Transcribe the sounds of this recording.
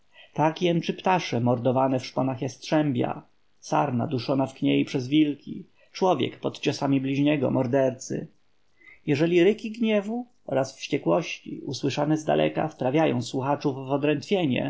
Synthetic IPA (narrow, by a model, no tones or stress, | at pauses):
t̪akjɛnt͡ʂɘpt̪aʂɛmɔɾd̪ɔvanɛfʂpɔnaxjɛst̪tʂɛmbʲja̰ | sa̰ɾna̰d̪uʂɔnafkɲejipʂɛzvʲilkʲḭ | t͡ʂwɔvʲjɛ̰kpɔt̪t͡ɕɔsamʲiblʲiʑɲɛɡɔ̰mɔɾd̪ɛɾt̪sɘ̰ | jɛʐɛlʲiɾɘkʲiɡɲɛvu | ɔɾasfɕt͡ɕɛkwɔɕt͡ɕḭuswɘʂanɛzd̪a̰lʔɛ̰ka̰fpɾavʲjajɔ̰̃w̃swuxat͡ʂuvːɔd̪ɾɛnt̪fʲjeɲɛ̰